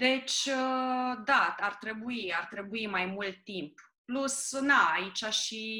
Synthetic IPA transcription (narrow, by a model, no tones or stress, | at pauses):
d̪e̞t͡ʃʲəd̪aart̪ɾe̞buiart̪ɾe̞buimajmult̪ːimp | plusnaait͡ʃaʃi